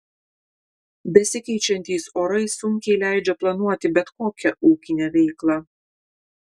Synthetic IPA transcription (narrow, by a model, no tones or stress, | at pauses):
bʲɛsʲɪkʲɛɪt͡ʃʲɛnʲt̪ʲɛɪsoːɾɐɪsʊŋʲkʲɛɪlʲæˑɪd͡ʒʲɛplˠɐnuɔt̪ʲɪbʲɛt̪koːkʲɛʔuːkʲɪnʲɛʋʲɛɪklˠɐ